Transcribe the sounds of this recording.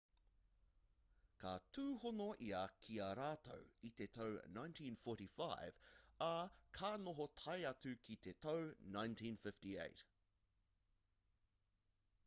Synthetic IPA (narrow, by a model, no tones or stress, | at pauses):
kʰatʰuːhonoʔiɐkʰiaɾaːt̪o̰wit̪et̪ʰownãj̃ntʰĩnfɔɾifajv̥ɐkʰaːnoɦot̪ʰɐjɐt͡sʉkʰit̪et̪ʰownãj̃ntʰĩnfɪftiḛjt